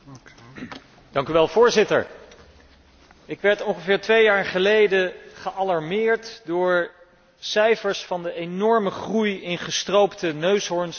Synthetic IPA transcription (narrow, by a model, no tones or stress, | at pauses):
d̥ɑŋkyʋɛlˠvʊːɹzɪtə̰ɹ | ɪkʋɛɹtɔŋχəvɪːɹtʋejaːɹχəlejdəχəʔɑlɑɹmɪːɹtdʊːɹ | sɛjfəɹsfɑndəenɔɹməχrujɪnχəstrowptənøɥsɦɔɹns